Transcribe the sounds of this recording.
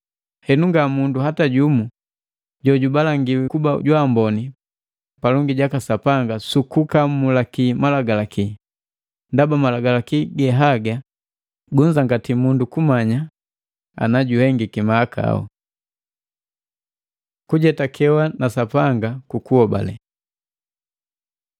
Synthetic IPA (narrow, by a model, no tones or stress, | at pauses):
hɛnuŋɡamunduɦataɟumu | ɟɔɟubalaŋɡiwɛkubaɟwambɔni | palɔŋɡiɟakasapaŋɡasukukamulakimalaɡalaki | ndabamalaɡalakiɡɛɦaɡa | ɡuɲd͡ʒaŋɡatimundukumaɲa | a̰naɟuhɛŋɡikimaaka̰a̰ṵ | kuɟɛtakʰɛwanasapaŋɡakukuhɔba̰lɛ̰